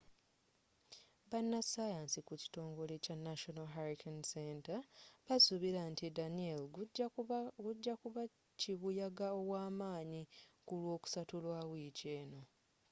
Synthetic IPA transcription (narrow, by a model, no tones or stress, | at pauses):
βanːasajansikuci̥to̞ːŋɡo̞le̞canːaʃonalɦaɾikʰanseːntaβasuβiɾantidaniel | ɡuɟːauβa | ciβujaɡao̞waːmaːɲikulwo̞ːku̥satulwawiːce̞ːno̞